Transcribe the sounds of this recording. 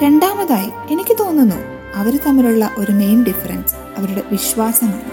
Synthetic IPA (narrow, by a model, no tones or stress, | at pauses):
ɾe̞ɳɖaːmɐðaːji | e̞nikʲːɨt̪o̞ːnːunːṵː | ɐʋɐɾut̪ɐmːiluɭːɐʔo̞ɾune̞jmɖifɐɾɐns | ɐʋɐɾuɽe̞ʋiɕʋaːsɐmaɨ